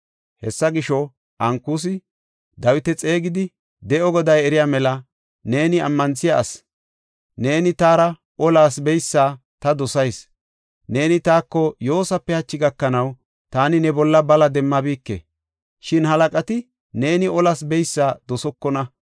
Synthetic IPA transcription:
hɛsːɐɡɪʃɔ | ʔɐŋkus̬ɪ | d̪ɐwɪt̪ɛt͡sʼe̞ːɡɪd̪ɪ | d̪ɛʔɔɡɔd̪ɐjɛɾɪjaːmɛlɐ | ne̞ːnɪɐ̰mːɐnsɪjaːs | ne̞ːnɪt̪aːɾɐ | ʔɔlaːsbɛjsːaː | t̪ɐd̪ɔsɐjs | ne̞ːnɪt̪aːkːɔjo̞ːsɐpːɛhɐt͡ʃːɪɡɐkːɐnɐw | t̪aːnɪnɛbɔlːɐbɐlɐd̪ɛmːɐbiːkːḛ | ʃɪnɦɐlɐkʼɐt̪ɪ | ne̞ːnɪɔlaːsbɛjsːaːd̪ɔsɔkːɔnɐ

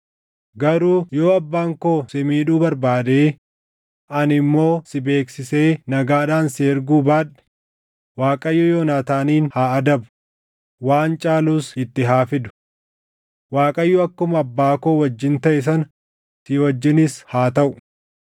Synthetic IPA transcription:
ɡɐɾuːjo̞ːɐbːaːŋkoːsɪmiːᶑuːbɐɾbaːd̪eː | ʔɐnɪmːo̞ːsɪbe̞ːksɪse̞ːnɐɡaːᶑaːnseːɾɡuːbaːᶑɛ̥ | waːkʼɐjːɔjoːnaːt̪aːniːnhaːɐd̪ɐbʊ̥ | waːnt͡ʃʼaːluːsɪt̪ːɪɦaːfɪd̪ʊ̥ | waːkʼɐjːɔɐkːʊmɐbːaːkoːwɐd͡ʒːɪnt̪ɐʔɪs̬ɐn | sɪwɐd͡ʒːɪnɪshaːt̪ɐʔʊ̥

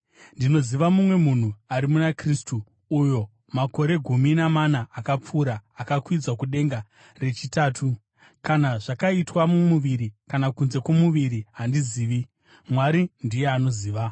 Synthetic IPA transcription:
ndino̞ziʋamumwe̞mun̤uaɾimunakristuː | jo̞ | mako̞ɾe̞ɡʱuminamanaːkap͡fuɾaːkakwid͡zwakuɗe̞ŋɡa | re̞t͡ʃitaːtʰu | kanaʐakaitwamumuʋiɾikanakunze̞komuʋiɾiɦandiziːʋi | mwaɾindijeano̞ziːʋa

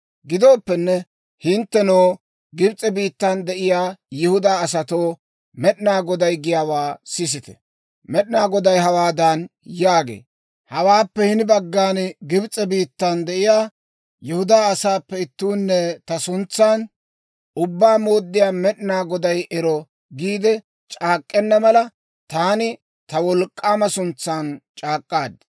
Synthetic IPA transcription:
ɡɪd̪o̞ːpːɛnːɛ | hɪnt̪ːɛnoː | ɡɪbt͡sʼɛbiːt̪ːɐnd̪ɛʔɪjaːjɪhʊd̪aːsɐt̪oː | mɛɗɪnaːɡɔd̪ɐjɡɪjaːwaːsɪs̬ɪt̪ɛ̥̰ | mɛɗɪnaːɡɔd̪ɐjɦɐwaːd̪ɐnjaːɡḛː | hɐwaːpːɛhɪnɪbɐɡːaːnɡɪbt͡sʼːɛbiːt̪ːɐnd̪ɛʔɪjaː | jɛhʊd̪aːsaːpːɛɪt̪ːuːnːɛt̪ɐsʊnt͡sːaːn | ʊbːaːmo̞ːd̪ːɪjaːmɛɗnaːɡɔd̪ɐjʔɛɾɔ | ɡiːd̪ɛ | t͡ʃʼaːkʼːɛnːɐmɐlɐ | t̪aːnɪ | t̪ɐwɔlkʼːaːmɐsʊnt͡sːaːnt͡ʃʼaːkʼːaːd̪

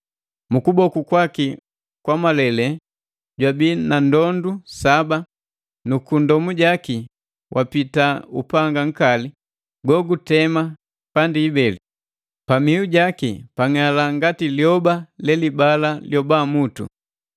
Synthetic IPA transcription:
mukubɔkukwaki | kwamalɛlɛ | ɟwabinandɔndusaba | nukundɔmuɟaki | wʔapitaṵpaŋɡaŋ̩kali | ɡɔɡutɛma | pandiːbɛli | pamiuɟakipaŋalaŋɡatiljɔbalɛlibalaljɔbamutṵ

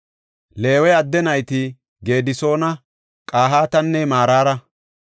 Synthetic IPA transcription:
le̞ːwɛɐd̪ːɛnɐjt̪ɪ | ɡe̞ːd̪ɪso̞ːnɐ | kʼaːɦaːt̪ɐnːɛmaːɾaːɾɐ

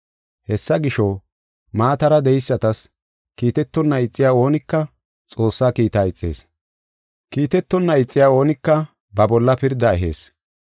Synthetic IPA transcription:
hɛsːɐɡɪʃɔ | maːt̪ɐɾɐd̪ɛjɪsːɐt̪ɐs | kiːt̪ɛt̪ːɔnːɐɪt͡sʼːɪjaːo̞ːnɪkːɐ | t͡sʼo̞ːsːaːkiːt̪aːɪt͡sʼːḛːs | kiːt̪ɛt̪ːɔnːɐɪt͡sʼːɪjaːo̞ːnɪkːɐ | bɐbɔlːɐpɪɾd̪ːɐɛɦḛːs

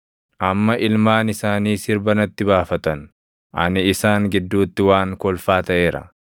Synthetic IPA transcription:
ʔɐmːɐʔɪlmaːnɪsaːniːsɪɾbɐnɐt̪ːɪbaːfɐt̪ɐn | ʔɐ̰nɪːsaːŋɡɪd̪ːuːt̪ːɪwaːŋkɔlfaːt̪ɐʔe̞ːɾɐ̰

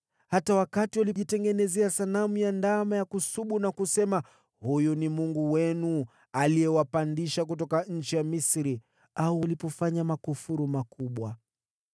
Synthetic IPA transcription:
hatawakatiwaliʄitɛŋɡɛnɛzɛasanamujandamajakusuɓunakusɛma | hujunimuŋɡuwɛnu | alijɛwapandiʃak̬ut̬ɔkaɲ̩t͡ʃijamisɾi | aualipɔfaɲamakufuɾumakuɓwa

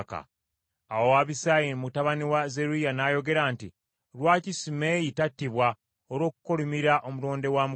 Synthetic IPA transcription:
ka̰ | awo̞waβisajimutaβaniwazeɾujanaːjo̞ɡe̞ɾaːnti | lwaːcisime̞jitatːiβwa | oɾo̞ːku̥kolumiɾaʔo̞muloːnde̞waːmu

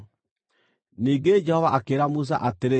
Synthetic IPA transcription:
niːɡed͡ʒɛhɔvaʔakeːɾamus̬a̰ʔateɾe

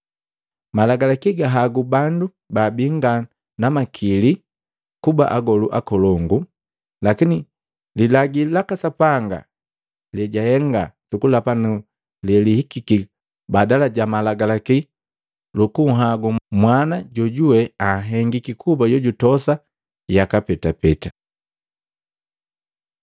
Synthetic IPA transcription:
malaɡalakiɡaɦaɡubandu | babiŋɡa | namakʰili | kuba̰ʔaɡɔluʔakɔlɔŋɡu | lakini | lilaɡilakasapaŋɡa̰ | lɛɟahɛŋɡa̰sukulapanu | lɛlihikiki | badalaɟamalaɡalaki | lukuɦaɡumwanaɟɔɟuwɛaɦɛŋɡikikʰubaɟɔɟutɔsa | jakapɛtapɛta

